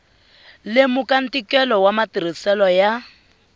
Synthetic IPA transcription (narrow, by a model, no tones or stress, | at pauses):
lemukan̩tikɛlɔwamatiɾ̤isɛlɔja